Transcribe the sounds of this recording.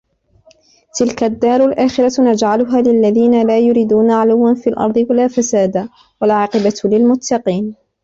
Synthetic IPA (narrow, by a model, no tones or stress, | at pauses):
t̪ɪlkad̪ːɑːɾˤʊlʔaːxɪɾanad͡ʒʕalʊɦaːlɪlːaðiːnalaːjʊɾiːd̪uːnaʕalawːanfiːlʔɑ̰ɾˤd̪ˤɨwalaːfasaːd̪a | walʕɑːqɪbalɪlmʊt̪ʰːɑqiːn